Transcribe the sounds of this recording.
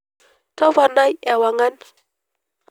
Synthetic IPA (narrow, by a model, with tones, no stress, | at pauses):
tɔ˦va˨na˦jɛ˨wa˨ŋa˦n